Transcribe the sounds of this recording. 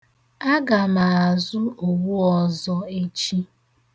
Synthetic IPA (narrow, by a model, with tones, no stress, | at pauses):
a˦ɡa˨ma˨a˨zʊ˦o˨wu˦ɔ˨zɔ˦e˦t͡ʃi˦